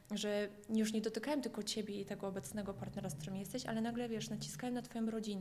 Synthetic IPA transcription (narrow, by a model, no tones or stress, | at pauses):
ʐɛ | ɲjuʂɲɛd̪ɔt̪ɘkawɛmt̪ɘlkɔt͡ɕebʲjɛit̪ɛɡɔɔbɛt̪snɛɡɔpaɾt̪nɛɾaskt̪uɾɪmʲijɛst̪ɛɕa̰lɛnaɡlɛvʲjɛʂnat͡ɕi̥skawɛmnat̪fɔjɔ̃mɾɔd͡ʑinɛ